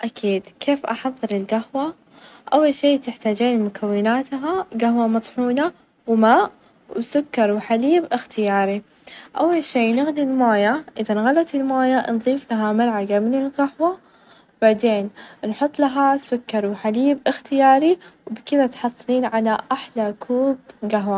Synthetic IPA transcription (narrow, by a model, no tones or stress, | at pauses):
ʔakʰiːd̪kʰeːfʔɑ̰ħɑðˤːɨɾɪlɡahwa | ʔawːalʃiːt̪ɪħt̪aːd͡ʒiːnmʊkʰawːɪnaːt̪ɦaɡahwamɑt̪ˤħuːna | wɪmaːʔ | wɪsʊkːɑɾˤwɪħaliːbʔɪxt̪ɪjaːɾi | ʔawːalʃiːnɪɣnilmaːjaʔɪðanɣalɑt̪ɪlmaːjanðˤiːflaɦamalʕaɡamnɪlɡahwa | baʕd̪eːnnħʊt̪ˤːlaɦasʊkːɑɾˤwɪħaliːbʔɪxt̪ɪjaːɾiwbkɪðat̪ħɑsˤːɨliːnʕalaʔaħlakʰuːb̚ɡaɦwa